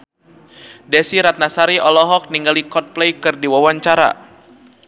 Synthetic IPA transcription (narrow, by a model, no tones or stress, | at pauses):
dɛsiɾat̪̚nasaɾiʔɔlɔɦɔk̚niŋɡalikɔt̪̚plɛjkɨrdiwawaɲt͡ʃaɾa̰